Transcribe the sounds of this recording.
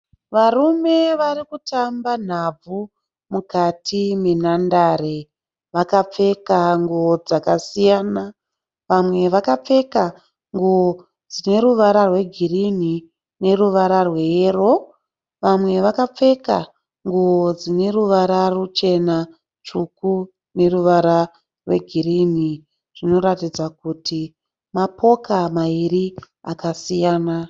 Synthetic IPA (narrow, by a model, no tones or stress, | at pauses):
ʋarume̞ʋarikutamban̤ab͡vu | mukatʰimenandaːɾe | ʋakap͡fe̞kaŋɡuod͡zakasijaːna | ʋamwe̞ʋakap͡fe̞ka | ŋɡuo | d͡zine̞ɾuʋaɾarwe̞ɡʱirini | ne̞ruʋaɾarwe̞eːro̞ | ʋamwe̞ʋakap͡fe̞ka | ŋɡuod͡zine̞ruʋaɾarut͡ʃe̞na | t͡ʃuku | ne̞ruʋaɾa | rwe̞ɡʱiɾini | ʐ̥ino̞ɾatid͡zakutʰi | mapʰo̞kamaiɾi | a̰kasijaːna